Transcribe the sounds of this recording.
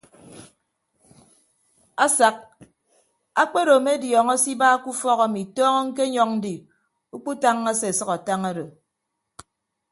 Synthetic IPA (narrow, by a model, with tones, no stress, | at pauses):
a˦sa˨k̚ | a˦k͡pe˦ɾo˨me˦djɔː˨ŋɔ˦si˦baː˦ku˦fɔ˦ka˨mi˨tɔː˦ŋɔ˦ŋ̩˦ke˦ɲɔ˦ŋn̩˦di˨ | u˦k͡pu˦ta˦ŋː˦a˦se˦e˨sʌ˦ka˨ta˦ŋa˦do˨